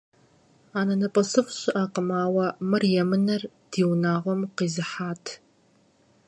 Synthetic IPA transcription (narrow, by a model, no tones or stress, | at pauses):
aːnɐnɐpʼɐsɨχʷɕʼɪʔaːqəmaːwɐmɨrjɛmɨnɐr | d̥iːwnaːʁʷɔmqiːzɨħaːtʰ